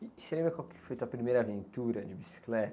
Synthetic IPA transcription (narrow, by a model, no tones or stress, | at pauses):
iselẽbɾɐkawɛkɪ̥fojt̪uɐpɾimejɾavẽnt̪uɾɐd͡ʒɪbisi̥klɛt̪